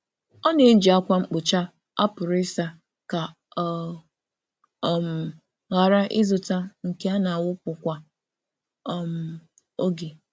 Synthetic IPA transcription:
ɔ˦ne˨˦n̩˦d͡ʒi˨a˦kʷa˦ŋ͡m̩˦k͡pʊ˨t͡ʃa˦ | a˦pʊ˨ɾɪ˦sa˦ | ka˨ | m̩˨ | ɣa˨ɾa˦ʔɪ˦zʊ˨ta˦ŋ̩˨ke˦a˦na˨wʊ˦pʊ˨kʷa˨˦ | m̩˨ | o˦ɡe˨

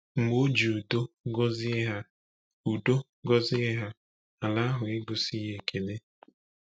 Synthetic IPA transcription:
ŋ͡m̩˨mo˦d͡ʒi˨u˨do˦ɡɔ˦zɪ˦ɦa˦ | u˨do˦ | ɡɔ˦zɪ˦ɪ˦ɦa˦ | a˨la˦a˦ɦʊ˨ɪ˦ɡʊ˨si˦ɦe˨kʰe˨de˦

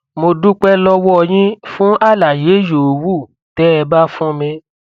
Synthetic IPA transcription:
mo˧du˦k͡pɛ˧lɔ˧wɔ˦˧˨j̃ĩ˦fũ˦ʔa˦˨la˨je˨˦jo˨wu˦˨ | tɛ˨˦ɛ˧ba˦fũ˦mĩ˧

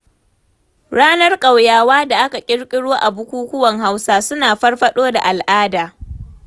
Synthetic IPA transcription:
ɽaː˦nɐ˦rkʼa˨wjaː˨waː˦da˨ʔa˦ka˨kʲʼɪ˦ɽkʲʼɪ˦ɽoː˦ʔa˨bʊ˦kʷuː˦kʷʊ˦wɐ˨ŋɦa˦wsaː˦sʊ˦naː˨ɸɐ˦rɸɐ˦ɗoː˦da̰˨ʔa˨lʔaː˦daː˨

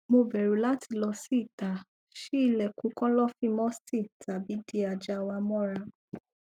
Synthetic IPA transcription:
mo˧bɛ˨ɾu˨˦la˦ti˧lɔ˧si˦i˦˨ta˨ | ʃe˦i˦˧˨lɛ˨kũ˨˦kɔ̃˦lɔ˦fĩ˦mɔ̃˦sti˦˨ta˨bi˨˦di˦a˧d͡ʒa˧wa˧mɔ̃˦ɾa˧

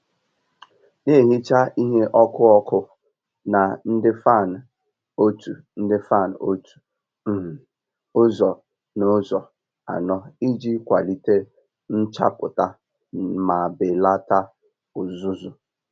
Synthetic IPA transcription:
ne˦˨ɦi˦t͡ʃa˦i˦ɦe˦ʔɔ˦kʊ˦ɔ˦kʊ˦ | na˨n̩˦dɪ˦fa˦˨n˨ | o˦tu˨ | n̩˦dɪ˦fa˦˨n˨o˦tu̥˨˦˨ | ʊ˦zɔ˨ | no˦zɔ˨ | a̰˨nɔ˦i˦d͡ʒi˦kʷa˨li˦te˦ | n̩˦t͡ʃa̰˦pʊ̰˨ta˦ | ma˨be˨la˦ta˦ | ʊ˨zʊ˦zʊ˨

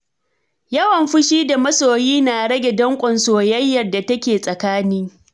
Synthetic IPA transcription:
jɐ˦wɐ˨mɸʊ˦ʃiː˦da˨mɐ˦soː˨jiː˦na˨ɽɐ˦ɡʲɛ˨dɐ˦ŋkʷʼɔ˨nsoː˨jɐ˦jːɐ˨rda˨tɐ˦kʲeː˨sʼɐ˨kaː˦niː˦

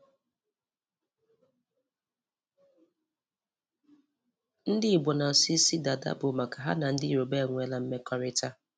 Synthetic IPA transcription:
n̩˦dɪ˦i˨ɡ͡bɔ˨na˨si˦si˦da˨da̰˦bʊ˨ma˨ka˨ɦa̰˦na˨n̩˦dɪ˦i˦˨ɾo˨be˦˨ŋʷe˦la˦m̩˦me˦kɔ˦ɾɪ˦ta˦

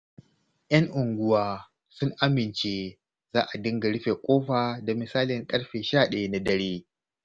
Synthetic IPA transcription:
j̰ɐ˦ŋʔʊ˨ŋɡʷʊ˦waː˦ | sʊ˦ŋʔa˦mɪ˨nt͡ʃeː˦ | zaː˦ʔa˨dɪ˦ŋɡa˨ɽɪ˦ɸeː˨kʷʼoː˦ɸaː˨da˨mɪ˨saː˦lɪ˨ŋkʼɐ˦ɽɸeː˨ʃaː˦˨ɗɐ˨ja˦na˦dɐ˦ɽeː˦

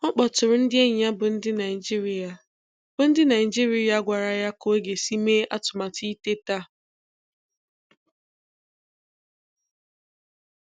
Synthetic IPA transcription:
ɔ˦k͡pɔ˨tʊ˨ɾʊ˨n̩˦dɪ˦e˦ɲa˦bʊ˨n̩˦dɪ˦na˨ɪ˨d͡ʒi˦ɾi˨a˨ | b̥ʊ˨n̩˦dɪ˦na˨ɪ˨d͡ʒi˦ɾi˦ja˨˦ɡʷa˨ɾa˨ja˦ko˨e˦ɡe˨si˦me˦ʔa̰˦tʊ˨ma˨ti˦te˦ta˦

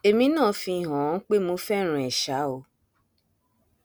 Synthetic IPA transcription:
e˨mĩ˧nãː˦˨fĩ˧i˨ɦɔ̃˨˦k͡pe˦mo˧fɛ˦˨ɾ̃ũ˨ɛ˨ʃa˨˦o˧˨

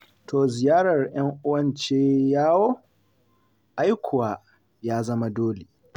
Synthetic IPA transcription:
toː˨zɪ˨jaː˦ɽɐ˨rj̰ɐ˦ŋʔʊ˦wɐ˦nt͡ʃeː˦jaː˦woː˦ | ʔa˦jkʷʰʊ˨waː˨ | jaː˦zɐ˦ma˦doː˦le˨

